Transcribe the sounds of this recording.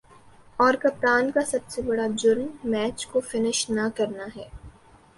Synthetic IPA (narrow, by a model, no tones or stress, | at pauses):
ɔːɾkɐp̚t̪aːnkasɐbsebɐɽad͡ʒʊɾmːɛːt͡ʃkofɪnɪʃnɐkɐɾnaɦɛː